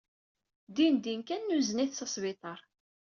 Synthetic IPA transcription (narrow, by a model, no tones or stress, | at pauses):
d̪ind̪inkænːuzniθsɑsˤvit̪ˤɑɾˤ